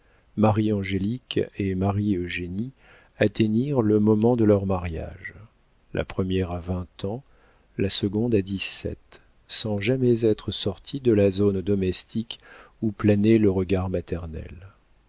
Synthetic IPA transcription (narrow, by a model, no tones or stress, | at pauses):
maʁiɑ̃ʒelikemaʁiøʒeni | at̪eniʁləmɔmɑ̃d̪əlœʁmaʁja̰ʒ | lʔa̰pχəmjɛʁavɛ̃t̪ɑ̃ | lasəɡɔ̃d̪ad̪isɛ̰t̪ | sɑ̃ʒamɛzɛt̪χəsɔʁt̪ʰid̪əlazond̪ɔmɛst̪ik | uplaneləʁəɡaʁmat̪ɛʁnɛ̰l